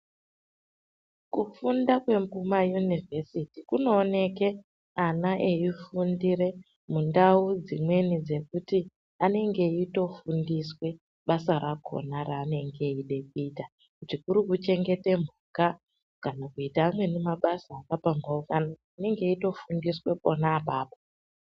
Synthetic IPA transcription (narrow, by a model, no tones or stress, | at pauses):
kufundakwe̞mpumajunivʱe̞sitikuno̞ːne̞ke̞ | anaʔeifundire̞ | mundaud͡zimwe̞nid͡ze̞kuti | ane̞ŋɡe̞ito̞fundiswe̞ | ɓasaɾaɡʱo̰naɾaːne̞ŋɡe̞iɗe̞k̚uita | kutikuɾikut͡ʃe̞ŋɡe̞te̞muka | kanakuitaːmwe̞nemaɓasaːkapaŋɡaukano | ine̞ŋɡe̞ito̞fundiswe̞po̰naːpaːpo